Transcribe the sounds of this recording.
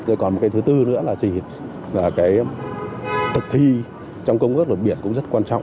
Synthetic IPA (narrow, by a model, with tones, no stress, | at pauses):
zɔ̰˧kɔ˨˩nmo˨˩t̚kaː˨˦jt̪ʰːt̪ɨ˧nɨ̰˧˥əlaː˨˩zi˨˩ | laː˨˩kaː˨˦j | t̪ʰɨ˨˩k̚t̪ʰi˧ | t͡ɕɔ˧wŋ͡mkə˧wŋ͡mku˦˥lə˨˩t̚ɓi˧˩ənkʊ̰˧˥ŋ͡mzə˦˥t̚kwaː˧nt͡ɕɔ̰˧˨wŋ͡m